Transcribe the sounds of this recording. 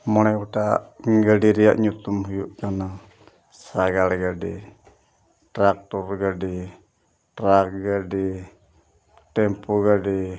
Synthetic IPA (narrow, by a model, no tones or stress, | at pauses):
mɔlakut̪aɡadiɾia̰ʔɲut̪umhujuʔkana | saɡalɡadi | t̪ɾak̚t̪urɡadi | t̪ɾak̚ɡadi | t̪ɛmpuɡadi